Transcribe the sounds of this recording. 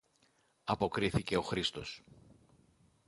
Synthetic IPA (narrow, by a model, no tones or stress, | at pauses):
ɐpo̞kɾiθice̞o̞xɾist̪o̞s